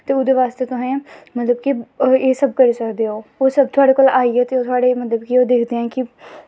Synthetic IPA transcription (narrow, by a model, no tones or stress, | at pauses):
t̪eːʊd̪eʋaːst̪eːt̪oɦɛ̃ːmət̪ləbkieːsəb̚kəɾisəkd̪eɦoːoːsəb̚t̪ʰʊaːɽeːkoːlaːiɦɛːt̪eːoːt̪ʰʊaːɽemət̪ləbkioːd̪eːkʰd̪eɦɛ̃ːki